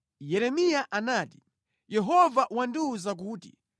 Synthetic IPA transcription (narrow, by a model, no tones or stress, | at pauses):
jɛɾɛmijaʔanaːti | jɛɦɔvaʔwanduuzak̬uːtḭ